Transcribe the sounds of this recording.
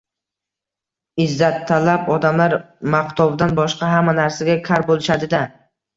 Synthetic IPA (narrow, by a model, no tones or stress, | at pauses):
ɪzːat̪ʰːalapɒd̪amlaɾ | maqt̪ʰɒvd̪anbɒʃqɑɦamːanaɾsaɡʲakʲʰaɾbolˠɪʃad̪ɪd̪a